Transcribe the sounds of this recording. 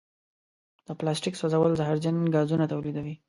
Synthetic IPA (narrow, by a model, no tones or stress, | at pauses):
d̪̥əplɑsʈiksazawəlzaɦaɾd͡ʒanɡɑzunat̪awlid̪awi